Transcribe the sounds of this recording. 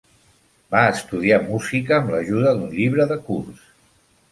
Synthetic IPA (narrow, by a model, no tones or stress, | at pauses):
baəst̪uð̞iamuzikəːmləʒuðəðunʎiβɾəðəkurs